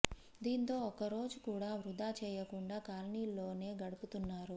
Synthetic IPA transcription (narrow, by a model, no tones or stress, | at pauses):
d̪iːnt̪o̞ːɔkɐɾo̞ːd͡ʒukuːɽaːʋɾud̪aːt͡ʃɛːjɐkuɳɖaːkaːlɐniːlːo̞ːne̞ːɡɐɽuput̪unːaːɾu